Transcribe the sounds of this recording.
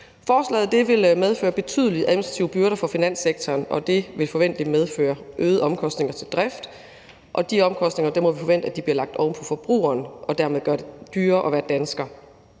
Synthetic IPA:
fɒːslɛ̰ːð̩ˠd̥e̝ʋe̝lmeð̞ˠfø̰ːɐb̥e̝t͡sʰyð̞ˠliʔæðˠminisd̥ʁɑt͡sʰḭːʊəb̥yɐɾɐfɒ̽finæn̰seɡ̥t͡sʰɒːnʔɒ̽d̥e̝ʋe̝lfɒ̽ʋen̰d̥limeð̞ˠfø̰ːɐʔøːð̩ˠɒ̽mkʰɒ̽sd̥ne̝ŋɐt͡sʰe̝ld̥ʁɛfd̥ | ʔɒ̽d̥iɒ̽mkʰɒ̽sd̥ne̝ŋɐd̥emɔʋifɒ̽ʋen̰d̥æd̥ib̥liɐlɑ̈ɡ̥̚d̥ɒʊməpʰɒ̽fɒ̽b̥ʁṵːɐːnʔɒ̽d̥æɐmeðˠɡɶɐd̥e̝d̥yːɐʔɒ̽ʋæːɐd̥ænsɡ̥ɐ

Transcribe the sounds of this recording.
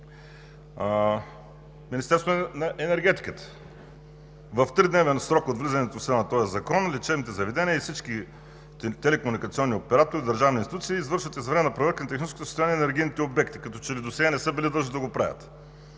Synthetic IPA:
minist̪ɛɾst̪onɐʔɛnɛɾɡɛt̪i̥kət̪ə̥ | vɐft̪ɾid̪nɛvɛnsɾɔkod̪vlizɐnɛt̪osnɐt̪ɔjɐzɐkɔnlit͡ʃɛvnit̪ɛzɐvɛd̪ɛniəifsit͡ʃk̟i | t̪ɛlɛkomunikɐt̪siɔnːiopɛɾat̪oɾid̪ɐɾʒavniːnt̪it̪ut̪siːzvɤɾʃvət̪izvɾɛmɛnɐpɾɐvəɾkʲinɐt̪ɛxnit͡ʃɛskot̪osst̪ʊjaniɛnɛɾɡijnit̪ɛobɛkt̪i̥kɐt̪ɔt͡ʃɛlid̪osɛɡanɛsɤbilid̪lˠɤʒnid̪ɐɡopɾa̰vʲɐ̰t̪

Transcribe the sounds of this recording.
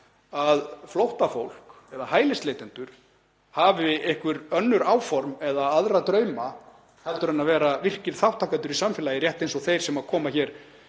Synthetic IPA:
aðflowht̪afowl̥k | ɛðahaːjlɪsleːjt̪ɪnt̪ʏɾ̥ | haːvɪɪhkvʏɾœnːʏɾaːwfɔɾmɛðaaðɾat̪ɾœːɥma | hɛlt̪ʏɾɛnːavɛːɾavɪr̥cɪɾ̥θawht̪ʰaːkant̪ʏɾisamfɪlajɪrjɛht̪ejnsɔɣθejɾ̥sɛmaðkʰɔːmaçɛːɾ̥

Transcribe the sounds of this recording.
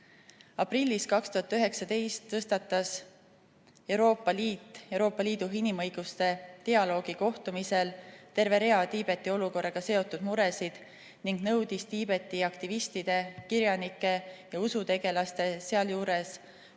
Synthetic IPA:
ɑprilʲːiskɑkst̪uɦɑt̪ːˑyɦe̞ksɑd̪e̞jst̪ːɤst̪ɑt̪ːˑɑs | e̞wɾo̞ːpːˑɑliːt̪ˑːe̞wɾo̞ːpːˑɑliːd̪̥uɦinimɤjɡ̥ust̪e̞t̪eɑlo̞ːɡ̥iko̞ht̪umise̞lt̪e̞ɾve̞ɾe̞ɑt̪iːb̥e̞t̪ːˑio̞luko̞rːɑɡ̥ɑse̞o̞t̪ːˑud̪̥muɾe̞sid̪̥ | niŋɡ̥nɤwd̪̥ist̪iːb̥e̞t̪ːˑiɑkt̪ivist̪id̪̥e̞kiɾjɑnikːˑe̞jɑusut̪e̞ɡe̞lɑst̪e̞se̞ɑljuːɾe̞s

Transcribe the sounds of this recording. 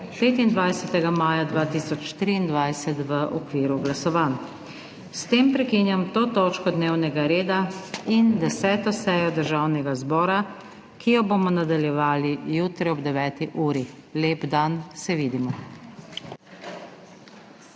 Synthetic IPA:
peːt̪ind̪ʋajsɛt̪ɛɡamaːjad̪ʋaːt̪iːsɔt͡ʃt̪ɾiːnd̪ʋajsɛt̪ʋəʔɔkʋiːɾuɡlasɔʋaːn | st̪eːmpɾɛkinjamt̪oːt̪ɔt͡ʃkɔd̪neːwnɛɡaɾeːd̪aind̪ɛsɛːt̪ɔsɛːjɔd̪əɾʒawnɛɡazbɔːɾa | kʰijɔboːmɔnad̪aljɛʋaːlijuːt̪ɾɛɔbd̪ɛʋɛːt̪iʔuːɾi | leːbd̪ansɛʋiːd̪imɔ

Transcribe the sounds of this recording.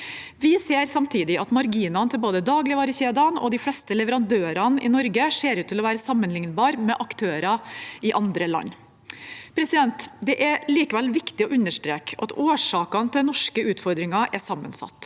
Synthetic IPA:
ʋɪseːɾsɑmt̪ʰiːd̪ɪʔɑt̪mɑɾɡiːnɑnt̪ʰɪlboːd̪əd̪ɑːɡlɪʋɑːɾəçeːd̪ɑnɔ̰d̪ɪflɛst̪əlɛʋəɾɑnd̪øːɾɑnʔɪ̰nɔɾɡəʂeːɾʉːt̪ʰːɪlɔʋæːɾəsɑmːənlɪŋnbɑːɾmɛʔɑkt̪ʰøːɾɑɪʔɑnd̪ɾəlɑ̰nː | pʰɾɛsɪd̪ɛnt̪d̪ɛʔæɾliːkəʋɛlʋɪkt̪ɪɔʔʉnːəʂʈɾeːkʰɑ̰t̪oːʂɑːkɑnt̪ʰɪd̪nɔʂkəʉːt̪fɔɾd̪ɾɪŋɑʔɛsɑmːə̰nsɑ̰t̪ː

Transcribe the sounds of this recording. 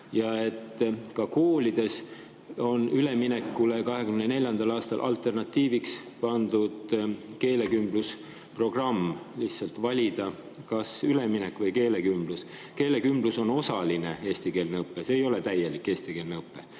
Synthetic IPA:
jɑe̞t̪ːˑkɑko̞ːlid̪̥e̞s | o̞nyle̞mine̞kːulekɑɦe̞kymnene̞lʲjɑnd̪̥ɑlɑːst̪ɑlʔɑ̰lt̪ˑe̞rnɑt̪ːiːvikspɑnd̪ud̪̥ke̞ːle̞kymb̥lus | pro̞ɡ̥rɑmːlihsɑlt̪vɑlʲid̪̥ɑ | kɑsyle̞minekːˑvɤjke̞ːle̞kymbluske̞ːle̞kymbluso̞no̞sɑline̞e̞ːst̪ike̞ːlneɤpːˑeseːjo̞le̞t̪æje̞likːˑe̞ːst̪ike̞ːlneɤpːe̞

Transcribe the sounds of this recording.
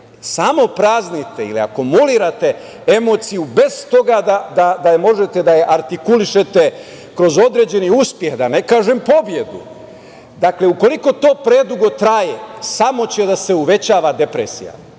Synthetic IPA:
samo̞pɾaznit̪eḭlḭa̰komuliɾat̪e̞ | emo̞ːt̪sijube̞z̥t̪o̞ɡad̪ad̪ad̪amo̞ʒet̪e̞d̪ajeʔaɾt̪ikuliʃe̞t̪e | kɾo̞zo̞d̪ɾe̞ːd͡ʑe̞niuspje̞xd̪ane̞kaːʒempo̞bje̞d̪ṵ | d̪akle̞uko̞liko̞t̪o̞ːpɾe̞d̪uɡo̞t̪ɾajesamo̞t͡ɕe̞d̪ase̞uʋe̞t͡ɕaːʋad̪e̞pɾesḭja̰

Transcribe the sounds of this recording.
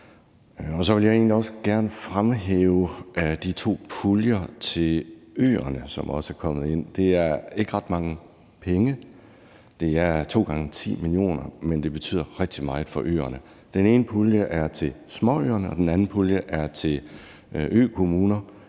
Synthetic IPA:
ɒ̽sɒ̽ʋe̝ljɑ̈e̝ːnliɒ̽səɡ̥æɐnəfʁamɦḛːʊʔæd̥it͡sʰo̝̰ːpʰuljɐt͡sʰe̝lø̰ːɐnəsɒ̽mɒ̽sæɐkʰɒ̽m̰ð̩ˠe̝n̰d̥e̝æɐe̝ɡ̥əʁɑd̥mɑ̈ŋə | pʰeŋə | d̥e̝æɐt͡sʰo̝̰ːɡ̥ɑ̈ŋət͡sʰḭːmilio̝̰ːnɐmend̥e̝b̥e̝t͡sʰy̰ːð̰ˠɐʁɛɡ̥̚d̥imɑ̈ɪð̩ˠfɒ̽ʔø̰ːɐnə | d̥ene̝ːnəpʰuljəʔæɐt͡sʰe̝smɒ̽ø̰ːɐnəɒ̽d̥enænn̩pʰuljəʔæɐt͡sʰe̝l | ʔø̰ːkʰo̝muːnɐ

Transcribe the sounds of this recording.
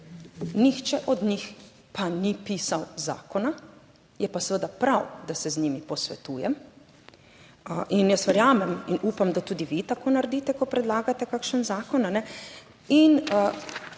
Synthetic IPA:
nixt͡ʃɛʔɔd̪ɲix | panipiːsawza̰ːkɔna | jɛpasʋəd̪apɾawd̪asɛzniːmipɔsʋɛ̰t̪uːjɛm | ʔinjəsʋɛɾjaːmɛminuːpamd̪at̪uːd̪iʋit̪akoːnaɾd̪iːt̪ɛkɔpɾɛd̪laːɡat̪ɛkaːkʃənzaːkɔnanɛ | inə

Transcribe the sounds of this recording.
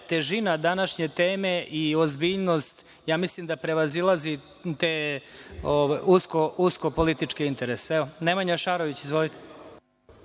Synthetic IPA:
t̪e̞ʒinad̪anaʃɲe̞t̪eːme̞ʔiozbiːʎnost̪ | jaːmislimd̪apɾe̞ʋazilˠazi | t̪eː | oʋajuskouskopo̞lit̪it͡ʂkiint̪e̞ɾeseɛonemaɲaʃaːɾoʋit͡ɕizʋolit̪e̥

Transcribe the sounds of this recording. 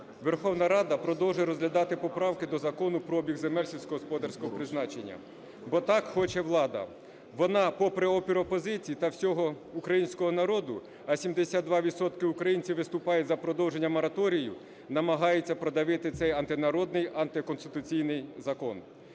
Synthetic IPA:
ʋerxɔwnɐɾɑd̪ɐpɾɔd̪ɔwʒɛɾɔzɦlʲɐd̪ɑt̪ɪpɔpɾɑwkɪd̪ɔzɐkɔnʊpɾɔbʲiɣzemɛlʲsʲiwsʲkɔɦɔspɔd̪ɐrsʲkɔɦɔpɾɪznɑt͡ʃenʲːɐ̰ | bɔt̪ɑkxɔt͡ʃɛʋlˠɑd̪ɐ̰ | ʋɔnɑpɔpɾɛɔpʲiɾɔpɔzɪt͡sʲijt̪ɐwsʲɔɦɔ | ʊkɾɐjinʲsʲkɔɦɔnɐɾɔd̪ʊ | ɐsʲimd̪esʲad̪d̪ʋɑʋʲid̪sɔt̪kɪukɾɐjinʲt͡sʲiwʋɪst̪ʊpɑjɛzɐpɾɔd̪ɔwʒenʲːɐmɔɾɐt̪ɔɾʲijʊ | nɐmɐɦɑjet͡sʲːɐpɾɔd̪ɐʋɪt̪ɪt̪sɛjɐnt̪ɪnɐɾɔd̪nɪjɐnt̪ɪkɔnst̪ɪ̥t̪ʊt͡sʲijnɪjzɐkɔn

